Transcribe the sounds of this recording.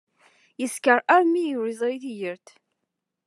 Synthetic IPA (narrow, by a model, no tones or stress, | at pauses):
jəskəɾæɾmijuɾizˤɾiθijəɾθ